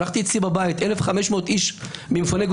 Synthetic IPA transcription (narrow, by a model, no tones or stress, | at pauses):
aχt̪iːt͡sibabajit̪ʔelefχameʃmo̞ːt̪iʃmimfoneɡ